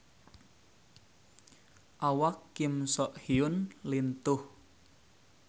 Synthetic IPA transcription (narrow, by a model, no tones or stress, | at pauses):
ʔawakːimsɔʔhiʊnlint̪ʊh